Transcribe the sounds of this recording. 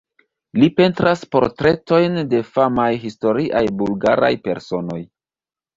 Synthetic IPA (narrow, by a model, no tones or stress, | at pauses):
lipe̞ntɾaspo̞̰ɾtɾe̞to̞jnde̞famajɦisto̞ɾiʔajbulɡaɾa̰jpe̞̰ɾso̞no̞j